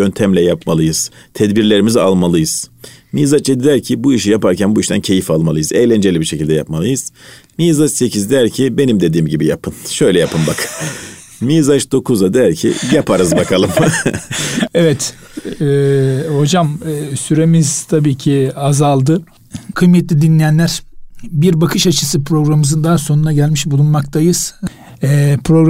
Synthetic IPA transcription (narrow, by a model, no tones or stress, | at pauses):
ø̞nt̪ʰæmlʲɛjapʰmalˠɯjɯz̥t̪ʰɛd̪biɾlʲe̞ɾimiza̰lˠmalˠɯjɯz̥miːzat͡ʃɛd̪id̪æɾcʰibuiʃijapaɾcʰænbuiʃt̪ʰæncʰe̞jifalˠmalˠɯjɯzɛjlʲænd͡ʒe̞lʲibiɾʃecʰilʲd̪ɛjapmalˠɯjɯz̥ | miːzat͡ʃse̞cʰizd̪æɾcʰibe̞nimd̪e̞d̪iːmɟibijapʰɯnʃø̞jlʲɛjapʰɯmbak | miːzaʃd̪o̞kʰuzad̪æɾcʰḭjapʰaɾɯzbakʰalˠɯm | evɛt̪ː | ho̞d͡ʒamːsyɾe̞mizt̪ʰabiːcʰiazalˠd̪ɯ | kʰɯjmɛt̪lʲid̪inlʲijænlʲæɾ̥biɾbakʰɯʃat͡ʃʰɯ̥sɯpʰɾo̞ɡɾamɯzɯnd̪aɦso̞nunaɟælʲmiʃbulˠunmakt̪ʰajɯz̥ | ɛpʰɾoɡ